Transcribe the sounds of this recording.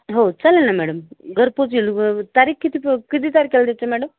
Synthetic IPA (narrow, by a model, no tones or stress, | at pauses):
ɦoːt͡ʃɐlenamɛːɽɐmɡɐɾposilut̪aːɾikːit̪ipkit̪it̪aːɾikeld̪et͡ʃːemɛːɽɐm